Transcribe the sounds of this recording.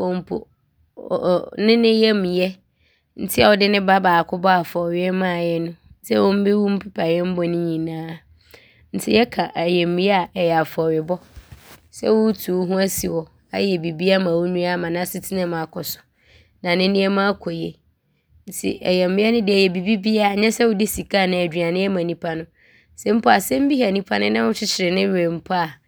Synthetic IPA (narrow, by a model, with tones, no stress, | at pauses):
wɔ˨m̩˦pʰo̰˨ | nɪ̃˦nɪ̃˦jɛ˦mĩ˨jɛ˦ | n̩˦tʰɪ˦a˨wɔ˨dɪ˦nɪ̃˦ba˦baː˨kʰʊ˦bɔ˦a˨fɔ˨ɾɪ˦ɛ˦mã˦˨jɛ˦nʊ̃˦sɛ˦wɔ̃˦m̩˦be˦wu˦m̩˦pʰɪ˦pʰa˨jɛ˦m̩˦bɔ˨nɪ̃˦ɲĩ˨nãː˦ | n̩˨tʰɪ̰˦jɛ˦kʰa˨ʔæ˨jɛ˨m̩˦mĩ˦a˦˨ɛ˨jɛ˨a˨fɔ˨ɾɪ˨bɔ˦sɛ̰˦wʊ˦tʰu˨wɦũ˦æ˦si˨wɔ˨ | a˨jɛ˨bi˨bi˦a˦mã˨wʊ˦nũ˦a˦˨mã˨nã˦sɪ˦tʰɪ˦nɪ̃˦mã˨kʰɔ˨sʊ̥˨ | nã˨nɪ̃˦nɪ̃˦ɛ˦mã˦kʰɔ˨jɛ˦ | n̩˨tʰɪ̰˨ʔɛ̰˨jɛ˨m̩˦mĩ˦ɛ˦nɪ̃˦dɪ˨æ˨jɛ˨bi˨bi˦bi˦a˦˨ɲɛ̃˦sɛ˦wʊ˦dɪ˦si˨kʰa˦˨nɪ̃˨˦æ˨dᶣɥa˨nɪ̃˦ɛ˦mã˨nĩ˦pʰa˦nʊ̃˦ | sɛ˦m̩˦pʰɔ˦a˨sɛ˦m̩˦bi˦ha˨nĩ˦pʰa˦nʊ̃˦nã˦wʊ˦t͡ɕʰɪ˦t͡ɕʰɪ˨ɾɪ˨nɪ̃˦˨e˨m̩˦pʰɔ˦a˨